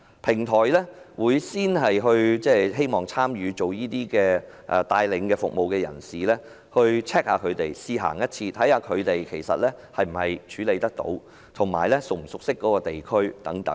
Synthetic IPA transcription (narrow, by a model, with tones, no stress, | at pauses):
pʰɪ˨˩ŋt̪ʰɔː˨˩jlɛː˥wuː˨˧jsiː˥nɦɐ˨jɦɵ˧ɥt͡sɛː˥ɦe˥jmɔː˨˩ŋt͡sʰaː˥mjyː˨˧t͡ʃo˨wjiː˥t̪iː˥kɛː˧ | ʔɛ˧t̪aː˧jlɪ˨˧ŋkɛː˧fʊ˨k̚mo˨wkɛː˧jɐ̰˨˩nsiː˨˩lɛː˥ | hɵ˧ɥt͡sʰɛː˥k̚haː˧kʰɵ˨˧ɥt̪e˨jsiː˧ɦa̰ː˨˩ŋjɐ˥t̚t͡sʰiː˧t̪ʰɐ˨˥jhaː˧kʰɵ˨˧ɥt̪e˨jkʰe˨˩jsɐ̰˨t̚lɛː˥hɐ˨jm̩˨˩hɐ˨jt͡ʃʰyː˨˥le˨˧jt̪ɐ˥k̚t̪o̰˨˥w | t̪ʰʊ˨˩ŋmaː˨˩jlɛ˥sʊ˨k̚m̩˨˩sʊ˨k̚sɪ˥kːɔː˨˥kɔː˧t̪e˨jkʰɵ˥ɥt̪ɐ˨˥ŋt̪ɐ̰˨˦˥ŋ